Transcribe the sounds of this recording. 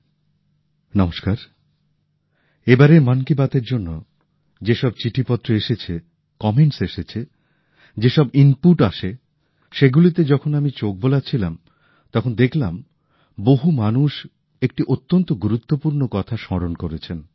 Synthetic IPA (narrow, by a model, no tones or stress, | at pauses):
nɔmoʃkaɾ | ebaɾemankibat̪eɾd͡ʑonːo | d͡ʑeʃɔb̚t͡ɕiʈʰipɔt̪ːɾoeʃet͡ɕʰe | kɔmeɳʈseʃet͡ɕʰe | d͡ʑeʃɔbinpuʈaʃe | ʃeɡulit̪ed͡ʑɔkʰonamit͡ɕok̚bolat͡ɕʰilam | t̪ɔkʰond̪ekʰlam | boɦumanuʃ | ek̚ʈiʔot̪ːont̪oɡuɾut̪ːopuɾnokɔt̪ʰaʃɔɾonkoɾet͡ɕʰen